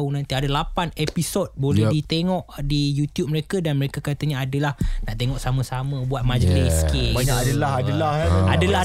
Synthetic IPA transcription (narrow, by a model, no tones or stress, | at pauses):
unãnt̪iadalapanepisot̚bolɛdit̪eŋɔʔdijut̪jup̚məɾekədanməɾekakat̪aɲaadəlahnaʔt̪eŋɔʔsamə̃samə̃buat̪̚mãd͡ʒəliskiadəlahadəlahadəla